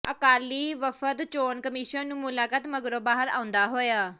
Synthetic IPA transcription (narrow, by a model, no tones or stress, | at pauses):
əkaːliːʋəfʰət̪t͡ʃoːnkəmiːʃənnũːmʊlaːkət̪məɡɾoːbaːɦəɾã̰ːʊ̃nd̪aːɦoːjaː